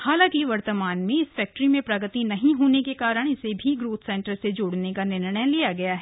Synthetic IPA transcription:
haːlãːkiʋɐɾt̪əmaːnmẽɪsfɛːk̚ʈɾimẽpɾɐɡət̪inɐɦĩɦoːnekekaːɾəɽ̃ɪsebʱiɡɾoːt̪ʰsɛ̃ːɳʈəɾsed͡ʒoːɽnekanɪɾɳ̃əjlijaɡɐjaɦɛː

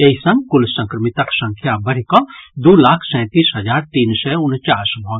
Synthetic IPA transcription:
eɦisɐ̃ŋɡkʊlsɐ̃ŋkɾəmɪt̪ɐksɐ̃ŋkʰjabɐɾikɔ̃d̪oːlaːkʰsɛ̃ːt̪iːsɦɐd͡ʒaːɾt̪iːnsɛʊnt͡ʃaːsmɔ̃ː

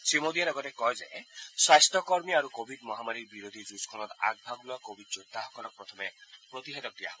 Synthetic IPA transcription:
simod̪iaɾɔɡɔt̪ekɔɦed͡ʒaesast̪ɔkɔɾmiaɾukobʱidmɔɦamaɾiɾbiɾod̪ʱid͡ʒuskʰɔnɔɾa̰ɡ̚bʱaɡulɔkobʱid̚d͡ʒot̪aɦɔkʰɔnɔk̚pɾɔt̪ʰɔmepɾɔt̪iɦed̪ɔk̚d̪ia̰ɦ

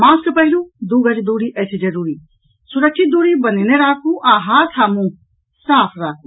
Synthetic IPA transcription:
mãːskpɐɦɪlud̪uːɡɐd͡ʒd̪uːɽiʔɐt͡ʃʰd͡ʒɐɾuːɾiː | sʊɾəkʃɪt̪̚d̪uːɾibɐneneɾaːkʰũʔaːɦaːt̪ʰaːmũ | saːpʰɾaːkʰũ

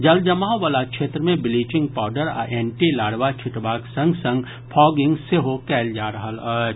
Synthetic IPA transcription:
d͡ʒɐld͡ʒɐmaːɦʋaːlakʃeːt̪ɾəmẽbɪliːt͡ʃɪ̃ŋɡ̚paːʊɖəɾa̰ʔeːɳʈilaːɽʋat͡ʃʰɪʈʋaːksɐ̃ŋɡsɐ̃ŋɡ | pʰɔːɡɪ̃ŋɡseɦokɛːld͡ʒaːɾɐɦələt͡ʃ

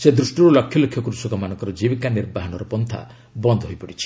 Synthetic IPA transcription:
sed̪ɾusʈuɾɔlɔkʰːjɔlokʰːjɔkuɾusɔkɔmanɔŋkɔɾɔd͡ʒibikaniɾbaɦɔnɔɾɔpɔnt̪ʰa̰ | bɔnd̪ʱɔɦojpɔɽit͡ʃʰi̥

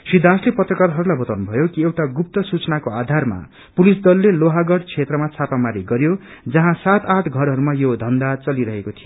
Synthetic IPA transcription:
sid̪ʱaslepʌt̪rʌkaɾɦʌɾulajbʌt̪awnubʱʌjokiewʈaɡup̚t̪ʌsut͡sʌnakoad̪ʱarma̰ | pulisd̪ʌlːeloɦaɡʌɽt͡sʰet̪rʌmat͡sʰapamaɾiɡʌɾjo | d͡zʌɦãsat̪aʈʰɡʱʌɾɦʌɾumajod̪ʱʌnd̪at͡sʌliɾʌɦekot̪ʰijo

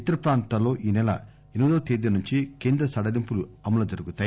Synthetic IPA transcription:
it̪ːɐɾɐpɾaːnt̪alːo̞ːʔiːnɛlɐ̰ | enud̪oːt̪eːd̪inuɲt͡ʃikeːnd̪ɾɐsɐɽɐlimpuluɐmɐlɐd͡ʒɐɾuɡut̪aː

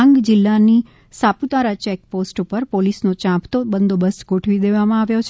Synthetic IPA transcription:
ŋɡd͡ʒɪlːani | saput̪aɾat͡ʃek̚posʈupəɾpolisnot͡ʃãpʰt̪obənd̪obəsɡoʈʰʋid̪eʋamãaʋjot͡ʃʰ

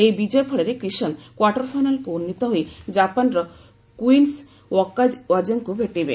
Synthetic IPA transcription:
ejbid͡ʒɔjɔpʰɔɭeɾekɾisɔnkwaʈɔɾpʰajnalkuunːit̪ɔɦojd͡ʒapanɾɔ | kuins | wɔkːawad͡ʒɔŋkubʱeʈibḛ

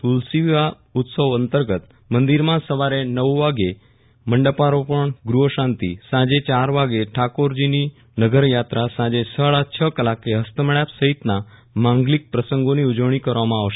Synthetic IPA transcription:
t̪ulsiʋʋa | ut̪səʋənt̪əɾɡət̪ | mənd̪iɾmãsəʋaɾenəʋʋaɡe | məɳɖəpaɾopəɳɡɾuɦəɕãnt̪ḭsãd͡ʑet͡ɕaɾʋaɡeʈʰakoɾd͡ʑini | nəɡəɾjat̪ɾasãd͡ʑesəɭat͡ɕʰəkəlakeɦəst̪əməɭjapsəɦit̪na | mãŋɡlik̚pɾəsəŋɡoniud͡ʑəʋɳ̃ikəɾʋamãːʋʃe

